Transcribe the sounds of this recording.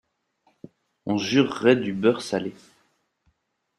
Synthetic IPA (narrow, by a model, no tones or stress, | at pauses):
ɔ̃ʒyʁːɛd̪ybœʁsale